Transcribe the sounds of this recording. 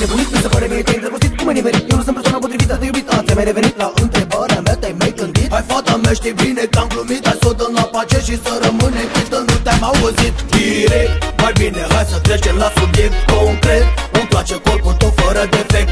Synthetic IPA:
nepunipisəfəɾevenit̪aint̪ɾevəɾsit̪kumenivenit̪jewnusɨnpeswanap̬o̞t̪ɾivit̪əd̪ejubit̪ət̪semajɾevenit̪laʔɨnt̪ɾebaɾeamɛt̪ajmajɡɨnd̪it̪ajfat̪əmeʃt̪ebinekamklumit̪ajsot̪ənlapat͡ʃeʃisəɾəmɨnekit̪ənut̪ʲamawvəzit̪d̪iɾekt̪majbineɦajsət̪ɾet͡ʃemlasublikkoŋkɾet̪̚owt̪wat͡ʃekolput̪ofəɾəd̪efek̚t̪

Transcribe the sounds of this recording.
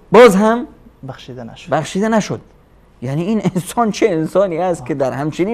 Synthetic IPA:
bɔzɦamʃid̪ʃbaχʃid̪anaʃud̪ | janiininsɒnt͡ʃʰiensɔniast̪̚kid̪aɾhamt͡ʃʰini

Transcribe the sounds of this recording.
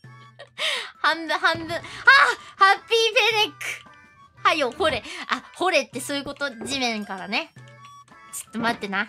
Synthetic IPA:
hãmdahãndɯ̃ahapʲːiːpenekːɯ̥ | hajohoɾe̞ʔaho̞ɾe̞t̪ːe̞soːjɯ̟ko̞t̪o̞d͡ʑimẽ̞ŋkaɾane̞ | t͡ɕɨ̥t̪ːomat̪ːe̞na

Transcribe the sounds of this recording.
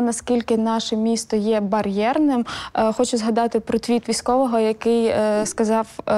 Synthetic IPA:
nɐskʲilʲkɪnɑʃɛmʲist̪ɔjɛbɐrʲjɛrnɪmxɔt͡ʃʊzɦɐd̪ɑt̪ɪpɾɔt̪ʲʋʲit̪ʋʲisʲkɔʋɔɦɔjɐkɪjskɐzɑw

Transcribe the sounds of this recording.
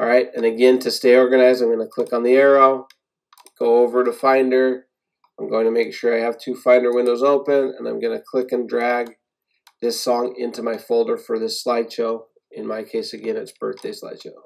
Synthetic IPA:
ɹaɪtɨ̃nɨɡɛ̃ntʰɨsteɪɔɹɡɨñaɪzãɪ̃mɡʌnəkʰl̥ɪkn̩ðiɛɹoʊ | ɡ̥oʊoʊvə˞ɾɨfãɪ̃ndə˞ | ãɪ̃mɡoʊɪ̃ŋtʰɨmeɪkʃʊɹaɪɨv̥tʰʉfãɪ̃ndə˞wɪ̃ndoʊzoʊpɨ̃nɨ̰̃nãɪ̃mɡʌnɨkʰl̥ɪkɨ̃ndɹæɡ̚ | ðɪsɔ̃ŋɪ̰̃ntumaɪfoʊlˠdə˞fə˞ðɪslaɪd̥ʃoʊ | ɨ̃nmaɪkʰeɪsɨɡɛ̃nɨtsb̥ɜ˞θd̥eɪsla̰ɪd̥ʃoʊ

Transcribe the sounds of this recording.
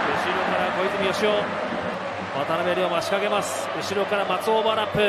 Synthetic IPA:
ɯ̟ɕiɾʲo̞kaɾako̞it͡sɨmʲioɕioː | βat̪anabeɾʲiomaɕi̥kaɡe̞masɨ̥ | ɯ̟ɕiɾo̞kaɾamat͡sɨobaɾapːɯ̟

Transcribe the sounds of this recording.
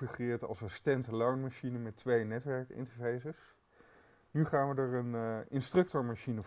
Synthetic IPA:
iχrɪːɹtɑ̰lˠsasstɛntəlɔɹnmaʃinəmɛtʋejnɛtʋɛɹkɪ̰ntəɹvejzəs | nyχaːnʋədəɹənɪnstrɵk̚tɔɹmaʃinə

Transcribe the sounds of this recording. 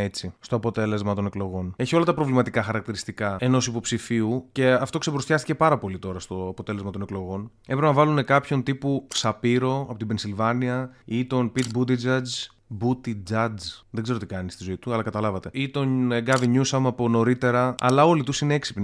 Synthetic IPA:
et͡sist̪o̞ɐpo̞t̪e̞le̞zmɐt̪o̞ne̞klo̞ɣo̞ne̞çio̞lɐt̪ɐpɾo̞vlimɐt̪ikɐxɐɾɐk̚t̪iɾist̪ikɐe̞no̞sipo̞psifiuce̞ɐft̪o̞ksebɾost̪çɐst̪ice̞pɐɾɐpo̞lit̪o̞ɾɐst̪o̞ɐpot̪e̞lezmɐt̪o̞ne̞klo̞ɣo̞n | epɾepenɐvɐlune̞kɐpço̞nt̪ipusɐpiɾo̞ɐpo̞t̪ibensilvɐniɐit̪o̞npit̪bud̪id͡zɐd͡z | but̪id͡zɐd͡zðeɡze̞ɾo̞t̪ikɐnist̪izo̞it̪uɐlɐkɐt̪ɐlɐvɐt̪e̞it̪o̞nɡɐviɲusɐmɐpo̞no̞ɾit̪e̞ɾɐɐ̰lɐo̞lit̪usineeksi̥pn

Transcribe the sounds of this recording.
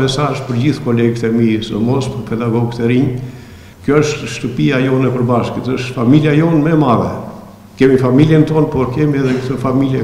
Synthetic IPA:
ɛsaɾʃpəɾd͡ʑiθkɔlɛɡt̪ɛmisəmɔspəɾpɛd̪aɡɔɡt̪ɛɾiɲ | kjɔəʃt̪ʃt̪əpiajɔnɛpəɾbaʃkət̪əʃt̪familjajɔnmɛmaðɛ | kɛmifamiljɛnt̪ɔnpɔɾkɛmiɛðɛkt̪əfamiljɛ

